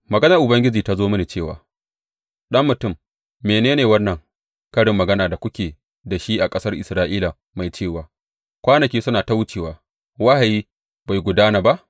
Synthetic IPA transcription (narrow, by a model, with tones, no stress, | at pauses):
mɐ˨ɡɐ˦nɐ˨ʔʊ˨bɐ˦ŋɡʲɪ˦d͡ʒiː˨ta˦zoː˦mɐ˦ni˨t͡ʃeː˦˨wa̰ː˨ | ɗɐ˦mːʊ˨tʊ˦˨mː | eː˨neː˦neː˨wɐ˦nːɐ˨ŋ | kɐ˦ɽɪ˨mːɐ˨ɡɐ˦naː˨da˨kʷʊ˦kʲeː˨ | da˨ʃi˦ʔa˨kʼɐ˦sɐ˦rʔɪ˨sɾaː˦ʔiː˦la˨ | ma˨jt͡ʃeː˦˨waː˨ | kʷaː˦nɐ˨kʲiː˦sʊ˦naː˨ta˦wʊ˦t͡ʃeː˨waː˨˦ | wa˦ha˨jiː˦ | ba˨jɡʷʊ˨daː˦naː˨ba˦ʔ